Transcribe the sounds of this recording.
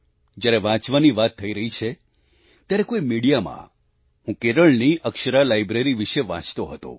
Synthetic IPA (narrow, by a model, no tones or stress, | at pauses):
d͡ʒjaɾeʋãt͡ʃʋaniʋat̪ʰːəiɾəɦit͡ʃʰe | t̪jaɾekoimiɽijamã̰ | ɦũkeɾəɭniʔəkʃəɾalajbɾeɾiʋiʃeʋã̰t͡ʃt̪oɦət̪o̰